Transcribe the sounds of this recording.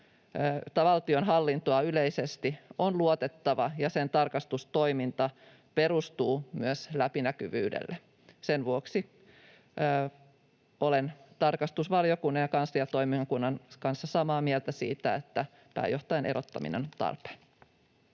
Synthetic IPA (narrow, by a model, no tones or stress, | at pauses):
t̪ɑʋɑlt̪io̞nɦɑlːint̪oɑyleisest̪ionluot̪et̪ːɑʋɑjɑsent̪ɑrkɑst̪ust̪o̞imint̪ɑ | pe̞ɾust̪uːmyøslæpinækyʋy̰ːdḛlːe | senʋuoksiː | olent̪ɑrkɑst̪usʋɑljokunːɑjɑkɑnsːɑjɑt̪o̞imiŋɑkunːɑnkɑnsːɑsɑmɑːmiɛlt̪æsḭːt̪æet̪ːæ | pæ̰ːjo̞ht̪ɑjɑnʔḛɾot̪ːɑ̰mḭnḛnt̪ɑ̰rpe̥